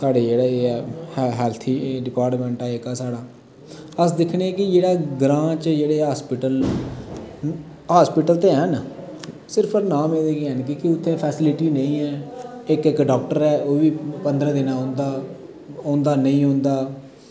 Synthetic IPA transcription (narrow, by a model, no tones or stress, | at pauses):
saːɖeːd͡ʒeːɽaːeːɛːhɦɛːlt̪ʰiːɖɪpaːɾʈmɛ̃ːɳʈɛːekaːsaːɽaː | əsd̪ɪkʰɳekɪd͡ʒeːɽaːɡɾãːt͡ʃd͡ʒeːɽeːɦaːspɪʈəl | ɦaːspɪʈəlt̪eːɦən | sɪɾpʰəɾnaːmeːd̪eːkeːɦɛnkɪkɪʊt̪ʰːẽːpʰɛːsɪlɪʈiːnəĩːɛːɪkɪkɖaːk̚ʈəɾɛːʔoːʋiːpənd̪ɾɛ̃ːd̪ɪnãːɦõːnd̪aː | õːnd̪aːnəĩːõːnd̪aː